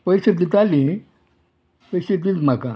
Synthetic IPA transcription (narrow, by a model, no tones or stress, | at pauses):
pəjset̪it̪ali | pəjset̪it̪m̤akã̰